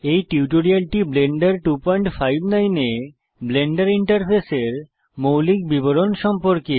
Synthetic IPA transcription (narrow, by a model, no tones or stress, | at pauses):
ejʈiuʈoɾialʈibleɳɖaɾʈupɔjɳʈfajbnajne | bleɳɖaɾiɳʈaɾpʰeseɾ | mowlik̚biboɾonʃɔmpoɾke